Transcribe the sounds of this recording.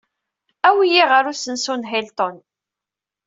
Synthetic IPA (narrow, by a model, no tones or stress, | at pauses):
æwijiʁəɾusənsunɦelt̪ɔn